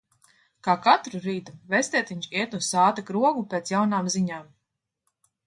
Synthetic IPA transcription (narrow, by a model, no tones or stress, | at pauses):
kaːkat̪ɾuɾiːd̪uvɛst̪ɛːt̪iɲt͡ʃiɛt̪usaːt̪akɾuɔɡupʲeːt̪sjawnaːmziɲaːm